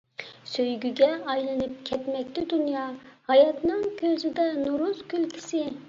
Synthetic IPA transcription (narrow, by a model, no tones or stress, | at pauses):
søjɡʲyɡʲɛʔɑjlˠɨnɨp̚kʲʰɛt̪mɛk̚ʲt̪ɪd̪ynjɑhɑjɑt̪nɨŋkʲʰøzɪd̪ɛnuɾuzkʲʰylkʰʲi̥sɪ